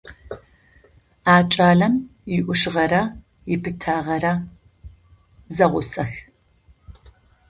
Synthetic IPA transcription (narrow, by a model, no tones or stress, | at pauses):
aːt͡ʃʼaːɮɐmjɪʔʷʊʂɨʁɐɾɐ | jɪpʰɨtʰaːʁɐrɐ | zɐʁʷʊsɐx